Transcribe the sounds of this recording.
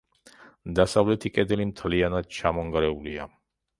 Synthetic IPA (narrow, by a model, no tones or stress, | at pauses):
d̪asavlɛt̪ʰikʼɛd̪ɛlimt̪ʰlianad̪̚t͡ʃʰamɔŋɡaɾɛulia